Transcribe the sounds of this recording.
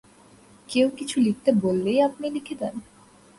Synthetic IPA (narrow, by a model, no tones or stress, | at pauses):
kewkit͡ɕʰulik̚t̪ebolːejapnilikʰed̪en